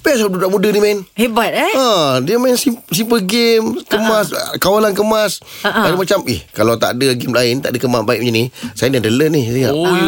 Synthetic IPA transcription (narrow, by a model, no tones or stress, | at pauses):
pɛsdudaʔmudənimanhebat̪̚adiəmansisimpəɡɪmkəmaskawalankəmasaɾmat͡ʃamɪ̰hkalawt̪a̰ʔdəɡɪmlaɪnt̪aʔdəkəmasbaiʔ̚muɲənisajənadələnisiŋa̰ʔ